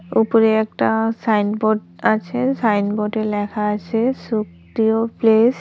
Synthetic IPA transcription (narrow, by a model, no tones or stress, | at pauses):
upɔɹeɛk̚ʈasajnboʈat͡ʃʰesajnboʈelɛkʰaːt͡ʃʰesuk | ɾioples